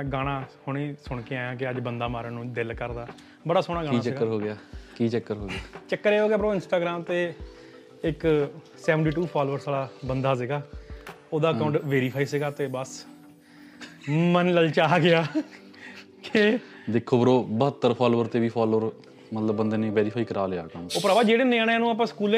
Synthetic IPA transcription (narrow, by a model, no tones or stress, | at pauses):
ɡaːɽ̃ãːhʊɽ̃iːsʊɳ̃keaːjãːk̬ɪəd͡ʒbənd̪aːmaːɾəːnũːd̪ɪlkəɾd̪aː | bəɽaːsoːɽ̃aːɡaːiːat͡ʃəɡkːəɾɦoːɡɪjaːkiːt͡ʃəkːəɾɦoːɡɪaːt͡ʃəkːəɾeːɦoːɡjaːbəɾoːɪnsʈaːɡɾaːmt̪eː | ɪk | sɛːʋəɳʈiːʈuːpʰaːloːəɾsaːlaːbənd̪aːsɪɡaːoːd̪aːəkaʊɳʈʋeːɾiːpʰaːiːsɪɡaːt̪eːbəs | mənləlt͡ʃaːɡɪaː | ke | d̪ekʰːoːbəɾoːbəɦət̪ːəɾpʰaːloːəɾt̪eːʋiːpʰaːloːəɾ | mət̪ləbːənd̪eːneːʋeːɾiːpʰaːiːkəɾaːleːaːkaʊɳʈoːpəɾaːbaːd͡ʒeːɽeːnẽːɽẽaːnũːap̬ãːsə̥kuːl